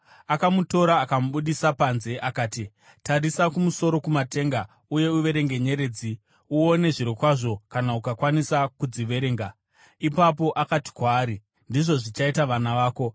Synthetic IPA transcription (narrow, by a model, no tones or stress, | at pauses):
akamuto̞ɾaːkamuɓuɗisapanze̞ʔakaːti | taɾisakumuso̞ɾo̞kumate̞ŋɡa | uje̞uʋe̞ɾe̞ŋɡe̞ɲe̞ɾe̞ːd͡zi | uone̞ʐiɾikwaʐo̞kanaukakwanisakud͡ziʋe̞ɾe̞ːŋɡa | ipapo̞ʔakati̥kwaːɾi | ndiʐo̞ʐit͡ʃaitaʋanaʋaːko̞